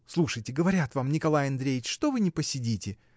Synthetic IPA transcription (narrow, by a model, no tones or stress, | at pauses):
slˠuʂəjtʲɪɡəvɐɾʲat̪vamnʲɪkɐlˠajɐnd̪ɾʲejɪt͡ɕʂt̪ovɨnʲɪpəsʲɪdʲitʲɪ